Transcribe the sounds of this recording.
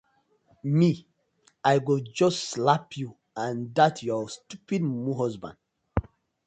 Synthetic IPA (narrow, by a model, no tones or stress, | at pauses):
mi | ajɡod͡ʒɔstslapʰju | ãndatʰjɔstupidmuɦɔzbã̰nd